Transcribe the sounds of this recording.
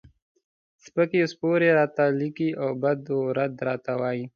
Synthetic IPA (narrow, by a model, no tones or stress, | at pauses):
spəkespoɾeɾɑːt̪alikiʔawbad̪oɾad̪ɾɑːt̪awɑːji